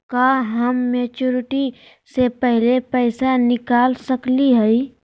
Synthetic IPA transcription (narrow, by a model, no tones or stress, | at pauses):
kaːɦɐmːeːt͡ʃuːɾɪʈi | sepɛɦlepɛɪsanɪkaːlsəkliɦɛi